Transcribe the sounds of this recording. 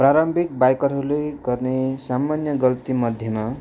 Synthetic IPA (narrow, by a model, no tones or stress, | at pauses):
praɾʌmbʱik̚bajkʌɾɦuleɡʌrnesamanjʌɡʌlt̪imʌd̪ʱjʌma